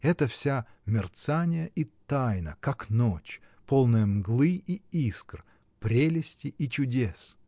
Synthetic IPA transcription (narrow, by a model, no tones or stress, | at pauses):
ɛt̪əfsʲa | mʲɪrt̪sanʲɪjəʔit̪ajnəkaknot͡ɕ | polˠnɨjəmɡlˠɨʔiiskr | pɾʲelʲɪsʲtʲɪʔit͡ɕʊdʲes